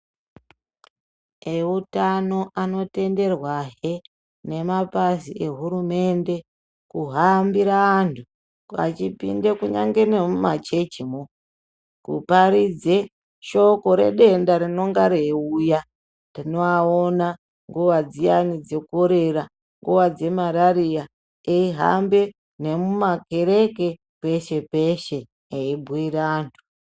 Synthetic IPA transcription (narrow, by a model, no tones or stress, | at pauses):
eutano̞ano̞te̞nde̞rwaɦe | ne̞mapasie̞ɦuɾume̞nde̞ | kuɦambiɾaantʰu | a̰t͡ʃipḭndekuɲa̰ŋɡe̞nemumat͡ʃe̞t͡ʃimo | kṵpaɾid͡ze | ʃo̞ko̞ɾe̞̰ɗe̞ndaɾino̞ŋɡaɾeuja | ndino̞aona | ŋɡuʋad͡zianid͡ze̞koɾe̞ɾa | ŋɡuʋad͡ze̞maɾaɾija | eiɦa̰mbe | ne̞mumake̞ɾeke̞ | pe̞ʃe̞peʃe̞ | eibʱuiɾaaːntʰu̥